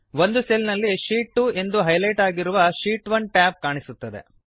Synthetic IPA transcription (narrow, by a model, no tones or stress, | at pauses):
ʋo̞nd̪uselnɐlːiʃiːʈːue̞nd̪uɦɐjlɐjʈaːɡiɾuʋɐʃiːʈʋɐnʈaːb̚kaːɳisut̪ːɐd̪ḛ